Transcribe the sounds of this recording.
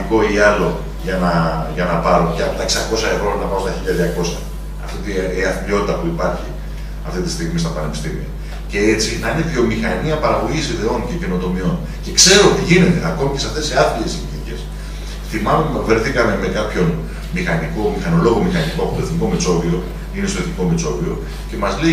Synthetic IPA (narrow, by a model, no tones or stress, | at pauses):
iko̞iɐlo̞ | ʝɐnɐʝɐnɐpɐɾo̞ceɐpo̞t̪ɐeksɐko̞sɐevɾo̞nɐpɐɾost̪ɐçiʎːɐðʝɐko̞sɐ | ɐ̰ft̪it̪iiɐfiplio̞t̪it̪ɐpuipɐɾçi | ɐft̪it̪i̥st̪iɣmist̪ɐpɐne̞pi̥st̪imḭɐ̰ | ce̞e̞t͡sinɐiniðio̞mixɐniɐpɐɾɐɣo̞ʝisiðe̞o̞nce̞ceno̞t̪o̞mio̞n | ce̞kse̞ɾot̪iʝine̞t̪e̞ɐko̞micesɐft̪eseaθlie̞scinice̞s | θimɐmeve̞ɾθikɐme̞me̞kɐpço̞n | mixɐniko̞mixɐno̞lo̞ɣo̞mixɐnikoɐpot̪o̞θniko̞met͡so̞vio̞ | inest̪oe̞θniko̞met͡so̞vio̞ | ce̞mɐzlei